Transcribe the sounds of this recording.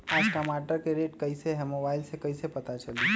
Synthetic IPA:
aːd͡ʒʈəmaːʈəɾkeɾeːʈkɐiseɦɛmobaːɪlsekɐisepɐt̪at͡ʃɐli

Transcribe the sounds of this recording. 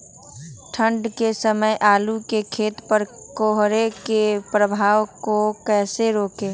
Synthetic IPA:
ʈʰə̃ɳɖkesəməjʔaːlukekʰeːt̪pəɾkoːɦɾekepɾəbʱaːwkokɛːseɾoːkeː

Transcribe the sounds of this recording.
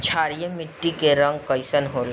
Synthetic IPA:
t͡ʃʰaːɾijəmɪʈːikeɾə̃ŋɡ̚kəɪsənɦoːl

